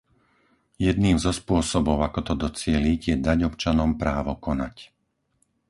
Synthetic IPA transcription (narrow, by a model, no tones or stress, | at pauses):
jɛd̪̚niːmzɔspʊɔsɔbɔʊakɔt̪ɔd̪ɔt͡sɪɛliɟjɛd̪aɟɔpt͡ʃanɔmpɾaːʋɔkɔnac